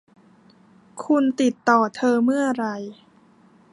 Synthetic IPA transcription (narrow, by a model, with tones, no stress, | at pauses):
kʰu˧nt̪i˨˩t̪ːɔː˨˩t̪ʰɤː˧mɯ˥˩ɐɾa˧j